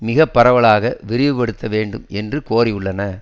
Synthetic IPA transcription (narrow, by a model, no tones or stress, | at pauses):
mɪɣɐpːɐɾɐʋɐɭaːɣɐʋɪɾɪʋɯpɐɽɯt̪ːɐʋeːɳɖɯmɛndrɯkoːɾɪjʊɭːɐnɐ